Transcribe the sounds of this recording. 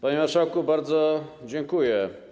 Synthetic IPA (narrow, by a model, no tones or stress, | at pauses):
paɲimaɾʂawkubaɾd̪zɔd͡ʑɛŋkujɛ